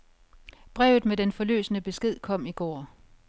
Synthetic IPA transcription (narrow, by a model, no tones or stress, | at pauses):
b̥ʁɛ̰ʊð̩ˠmedenfɒ̽lø̰ːsənəb̥e̝sɡ̥e̝ð̞̰ˠkʰɒ̽m̰iɡ̥ɒ̰ː